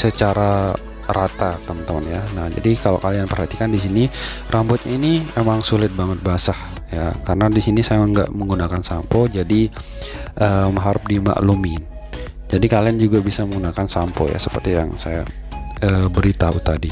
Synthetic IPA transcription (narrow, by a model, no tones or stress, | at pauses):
sət͡ʃaɾa | rat̪at̪əmənt̪əmənjanahd͡ʒa̰dikalo̰kalianpərhat̪ikandisini | rʔambɔt̪̚ɲainiemaŋsulɪt̪̚baŋət̪̚basah | jakaɾənadisinisajaəŋɡa̰ʔməŋɡunakansampɔd͡ʒadi | ʔəːmaɦaɾup̚dima̰ʔlumin | d͡ʒadikaliand͡ʒuɡabisaməŋɡunakansampɔ̰ja̰səpərt̪ija̰ŋsaja̰ | əbəɾit̪aṵt̪adi